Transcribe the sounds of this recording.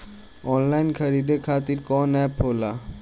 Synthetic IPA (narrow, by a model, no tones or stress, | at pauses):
ɔːnlaːɪnkʰəɾiːd̪ekʰaːt̪iɾkɔːnɛːpɦoːlaː